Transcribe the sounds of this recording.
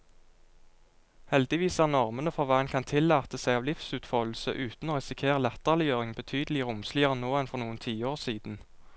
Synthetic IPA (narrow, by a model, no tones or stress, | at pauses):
hɛld̪ɪʋiːsɑnɑʁmənəfɔʋɑnkʰɑnt̪ʰɪlːɑːt̪əsæɪɑːʋlɪfsʉːt̪fɔll̩sə̰ʔʉːt̪n̩oːʁɛsɪkʰeːʁəlɛt̪əʁlɪjøːʁɪŋbət̪ʰyːd̪əlɪʁʊmslɪəʁənoːɛnfɔʁnuːənt̪ʰiːəoːʁsiːd̪n̩